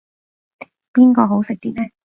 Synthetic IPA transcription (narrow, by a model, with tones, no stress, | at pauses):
piː˥nkɔː˧ɦo˨˥wsɪ˨k̚t̪iː˥t̚lɛː˦˥